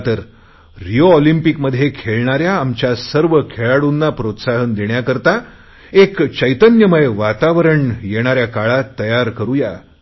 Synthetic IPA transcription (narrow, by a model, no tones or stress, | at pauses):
t̪əɾː | ijoɔlimpikməd̪ʱːjekʰeɭɳaɾjaːmt͡ɕjasəɾʋəkʰeɭaɽunːapɾot̪saɦənd̪eɳjakəɾt̪a | ekt͡ɕəjt̪ənjəməeʋat̪aʋəɾəɳjeɽ̃aɾjakaɭat̪ːəjaɾkəɾuja